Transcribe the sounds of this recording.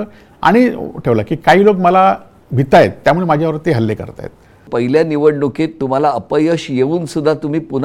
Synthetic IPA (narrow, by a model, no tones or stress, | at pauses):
a̰ɽ̃iʈʰeʋlakiːkaɦiːlokməla | bʱit̪ːajet̪ːjamuɭemad͡ʑʱjaʋəɾt̪ːiɦəlːekə̰ɾt̪a̰jḛt̪̚ | pəɦiljaniʋəɽnoket̪ːum̤alaəpəjəɕjeuːnsud̪ʱːat̪um̤iːpun